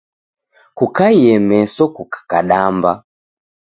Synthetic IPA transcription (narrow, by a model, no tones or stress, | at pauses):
kukaiɛmɛsɔkukḁkaɗamba̰